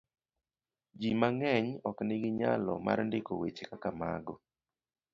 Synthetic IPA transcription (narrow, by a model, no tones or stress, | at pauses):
d͡ʒimaŋɛɲɔknɪɡɪɲalɔ̰ma̰rndɪkowet͡ʃekakama̰ɡɔ